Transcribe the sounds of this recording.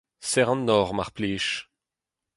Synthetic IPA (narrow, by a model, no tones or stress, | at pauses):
sɛʁɑ̃nːɔːʁmaʁpleːʃ